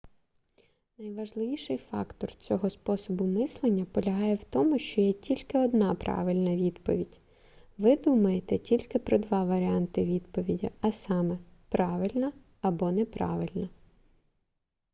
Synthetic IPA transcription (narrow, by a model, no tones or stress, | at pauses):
nɐjʋɐʒlˠɪʋʲiʃɪjfɑ̰kt̪ɔrt͡sʲɔɦɔspɔsɔbʊmɪslˠenʲːɐpɔlʲɐɦɑjɛwt̪ɔmʊʃt͡ʃɔjɛtʲilʲkɪɔd̪nɑpɾʔɑ̰ʋɪlʲnɐʋʲid̪pɔʋʲidʲ | ʋɪd̪umɐjet̪ɛtʲilʲkɪpɾɔd̪ʋɑʋɐɾʲiɑnt̪ɪʋʲid̪pɔʋʲidʲḭɐsɑmɛpɾɑʋɪlʲnɐ | ɐbɔnɛpɾɑ̰ʋɪlʲnɐ